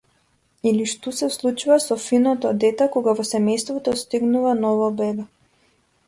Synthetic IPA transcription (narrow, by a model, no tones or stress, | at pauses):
iliʃt̪usɛslˠut͡ʃuvasɔfinɔt̪ɔd̪ɛt̪ɛkɔɡavɔsɛmɛjst̪vɔt̪ɔst̪iɡnuvanɔvabɛbɛ